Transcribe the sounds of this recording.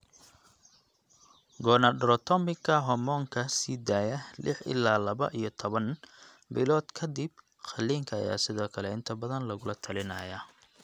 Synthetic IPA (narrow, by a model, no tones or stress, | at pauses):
ɡɔːnɐɖɾɔt̪ʰɔmɪɡʰɐɦɔmɔːŋkʰɐsiːd̪aːjɐlʔɪħɪ̰lːaːlɐβɐ̰ʔijɞt̪ʰɔβɐn | bɪlɔːd̪kʰɐd̪ɪb̚ | xɐliːŋkʰɐːja̰ːsɪðɔːkʰɐlɛɪnt̪ʰɐbɐðɐnlɐɣʊlɐt̪ʰɐlɪnɐjɐ